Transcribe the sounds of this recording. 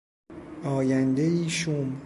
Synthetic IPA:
ʔɒːjænd̪ejiːʃum

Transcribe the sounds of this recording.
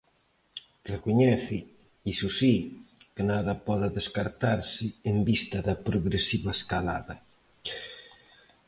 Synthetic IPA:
rekuɲɛθɪ | isusikenaðɐpɔðɐðeskaɾt̪aɾsɪembist̪ɐðɐpɾoɣɾesiβaeskala̰ðɐ

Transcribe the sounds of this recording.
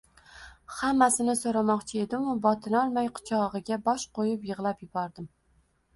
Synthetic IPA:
hamːasɪnɪsoɾamɒqt͡ʃʰɪe̞d̪ɪmʊbɒt̪ʰɪnɒlˠmajqʰʊ̥t͡ʃʰɒʁɨɡʲabɒʃqʰojɪpjɨʁlˠapjɪbɒɾd̪ɪm

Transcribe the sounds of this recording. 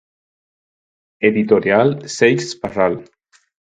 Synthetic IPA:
eðit̪oɾjalsejsparal

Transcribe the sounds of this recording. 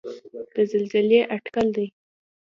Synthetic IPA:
d̪̥əzalzɪleʔaʈkald̪ij

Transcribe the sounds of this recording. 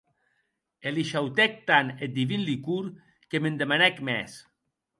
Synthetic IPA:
eliʃawt̪ɛk̚t̪anet̪̚d̪iβinlikuɾ | kemend̪emanɛkmɛs

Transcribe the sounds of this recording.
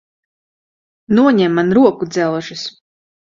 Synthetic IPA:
nuɔɲɛmːanɾuɔkud̪zɛlˠʒɨs

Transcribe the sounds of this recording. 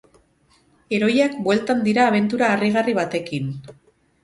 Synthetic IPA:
e̞ɾo̞jakbwe̞lt̪and̪iɾaːβ̞e̞nt̪̬uɾaːriɣ̞ariβat̪e̞kin

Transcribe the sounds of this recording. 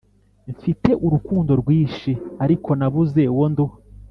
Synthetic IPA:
ɱfite̞ʔuɾukuːndo̞ɾɡwiːʃiaɾikʰo̞naβuze̞wondu

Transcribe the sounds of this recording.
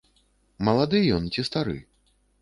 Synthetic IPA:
mɐlˠad̪ɨjɔnt͡sʲist̪aɾɨ̰

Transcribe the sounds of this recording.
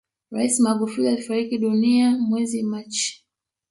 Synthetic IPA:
ɾaisimaɡufulialifaɾikiɗuniamwɛzimat͡ʃi̥

